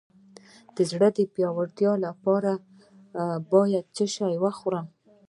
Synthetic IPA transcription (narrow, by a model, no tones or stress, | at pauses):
d̪̥əzɽəd̪əpjɑwaɾt̪jɑlapɑɾa | bɑjad̪̚t͡səʃajwaxoɾam